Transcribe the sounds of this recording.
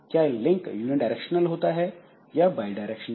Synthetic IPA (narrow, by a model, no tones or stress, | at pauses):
kjaːelɪ̃ŋkjuːniɳɖaɪɾɛkʃənəlɦoːt̪aɦɛ | jabaːjɖaːjɾɛkʃən